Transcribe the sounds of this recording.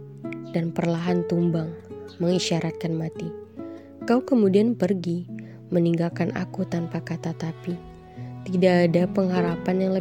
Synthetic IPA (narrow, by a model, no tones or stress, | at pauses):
d̥anpərlaɦant̪umbaŋməŋiʃaɾat̪̚kanmat̪i | kaukəmudianpərɡi | məniŋɡalkanʔa̰kut̪anpakat̪at̪api | t̪idaːdapəŋɦaɾapanjaŋlə